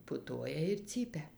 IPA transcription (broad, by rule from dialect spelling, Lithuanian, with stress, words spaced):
pʊˈtuɔjɛ ɪr ˈt͡sʲiːpʲɛ